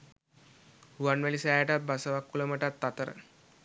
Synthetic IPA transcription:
ʋanʋelisajaʈat̪̚bʱasəʋakːuləməʈat̪ːat̪əɾə̰

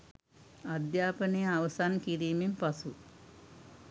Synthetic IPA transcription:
ad̪jaːpənəjəaʋəsankiɾiːmempasu

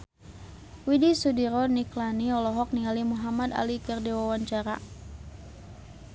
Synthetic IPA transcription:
widisudiɾɔniklaniɔlɔɦɔk̚nialimuɦamad̪a̰likərdiwawaɲt͡ʃaɾa̰

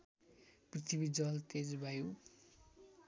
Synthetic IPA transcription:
prit̪ʰibid͡zʌlt̪ed͡zbʱaju

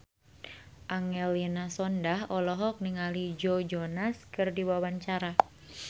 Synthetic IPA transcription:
ʔaŋɛlinasɔndaɦɔlɔɦɔk̚niŋalid͡ʒod͡ʒɔnaskɨrdiwawaɲt͡ʃaɾa

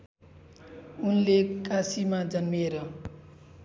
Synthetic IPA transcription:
unlekasimad͡zʌnmieɾʌ

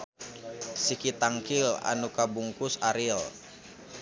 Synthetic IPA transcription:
sikit̪aŋkila̰nukabuŋkusaɾil

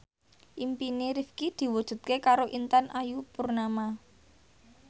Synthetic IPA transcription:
ʔimpineɾifkid̪̥i̤wud̥ʒ̥ṳt̪̚kekaɾoʔint̪anʔajupurnama

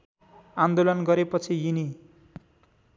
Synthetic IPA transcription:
and̪olʌnɡʌɾepʌt͡sʰijini

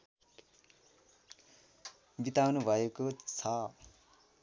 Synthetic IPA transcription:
bit̪awnubʱʌekot͡sʰʌ

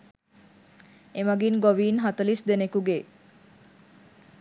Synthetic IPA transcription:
emaɡinɡoʋiːnɦat̪əlisd̪enekuɡe

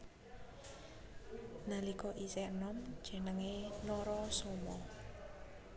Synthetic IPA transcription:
nalikɔʔisɛənɔm̥ʒ̥ə̤nəŋenɔɾɔsomɔ

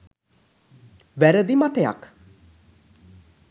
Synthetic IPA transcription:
ʋæɾəd̪imat̪əja̰k

